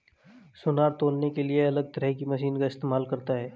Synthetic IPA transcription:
sʊnaːɾt̪oːlnekelieɐləɡ̚t̪ɐɾɛɦkimɐʃiːnkaɪst̪eːmaːlkɐɾt̪aɦɛː

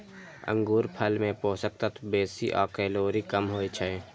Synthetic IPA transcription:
ə̰̃ŋɡuːɾpʰəlmẽpoːsək̚t̪at̪ʰbeːsḭʔɔ̰ːkɛːloːɾikəmɦoːit͡ʃʰɛẽ

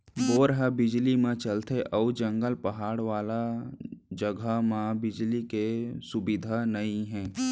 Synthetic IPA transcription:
boːɾɦəbɪd͡ʒlimãt͡ʃɐlt̪ʰeʔɔːd͡ʒɐ̃ŋɡəlpɐɦaːɽʋaːla | d͡ʒəɡʱamãbɪd͡ʒlikesʊbɪd̪ʱanɐĩɦɛ̃ː

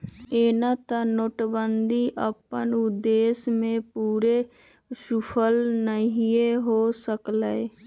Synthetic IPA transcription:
eːnat̪ənoːʈbənd̪ʱiʔəpənʊd̪eːsmẽpuːɾe | supʰəlnəɦieɦosəkla

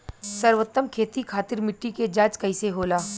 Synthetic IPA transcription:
sɐɾʋət̪ːəmkʰeːt̪ikʰaːt̪ɪɾmɪʈːiked͡ʒaːt͡ʃkɐɪseɦoːlaː

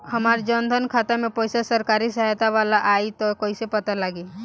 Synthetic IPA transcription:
həmaːɾd͡ʒənd̪ʱənkʰat̪amẽpɔjsasəɾkaɾisəɦt̪aʋalaʔait̪ɔkoːisepət̪alaɡi

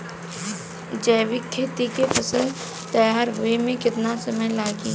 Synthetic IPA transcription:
d͡ʒɛːwɪkʰːeːt̪ikepʰəsə̃ | t̪əjaːɾɦʊemẽkɪt̪nasəməjlaːɡi

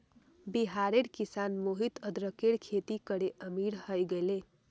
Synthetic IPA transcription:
biɦaɾeɽkisanmoɦit̪əd̪ɾəkeɽkʰet̪ikəɽeʔəmiɽhəjɡele

